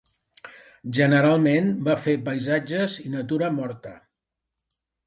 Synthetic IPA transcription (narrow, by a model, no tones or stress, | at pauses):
ʒənəɾalˠmenbafepəjzad͡ʒəzinət̪uɾəmɔɾt̪ə